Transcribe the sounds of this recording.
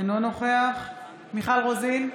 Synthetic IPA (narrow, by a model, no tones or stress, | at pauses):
nonoχeaχ | miχalʁozin